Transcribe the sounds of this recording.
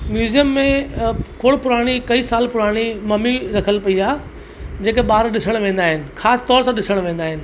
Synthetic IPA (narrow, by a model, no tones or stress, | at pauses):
mjuːzijəmːẽkoːɽpʊɾaːɽ̃ikɐiːsaːlpʊɾaːɽ̃imɐmiɾɐkʰəlpɐiaː | d͡ʑeːkeɓaːɾɗɪsəɽ̃ʋẽːn̆d̪aːɦɪnɪ̆xaːsɪ̥t̪ɔːɾsãɗɪsəɽ̃ʋẽːnd̪aːɦɪnɪ̆